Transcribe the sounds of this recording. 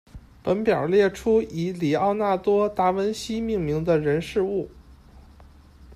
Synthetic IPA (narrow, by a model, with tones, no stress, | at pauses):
pə˧˥npjɑ̰˨˩ljɛ˥˩ʈ͡ʂʰu˥i˧˥li˨˩ɑ˥˧ʊna˥˩t̪wɔ˥t̪a˥wə˥nɕi˥mi˥˩ŋmi˧˥ŋd̪ə˧ɻə˧˥nʂɻ̩˥˧u˥˩